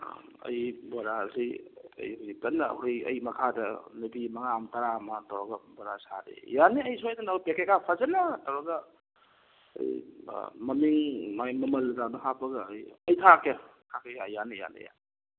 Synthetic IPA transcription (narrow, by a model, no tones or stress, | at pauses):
ɐ̰jboɾasiɐ̰jhonitɐnːɐ̰jɐ̰jmɐkʰadɐ̰nubimɐŋamtɐɾamɐtawɾaɡɐboɾasadḛjanːeɐjsojdɐnapekekapʰazɐnɐtɐwɾɐɡɐ | ɐ̰j̰ | mɐmiŋmamɐmɐlɡamɐɦapɐɡɐjɐjtʰaketʰakʰejajaneja̰nḛja̰n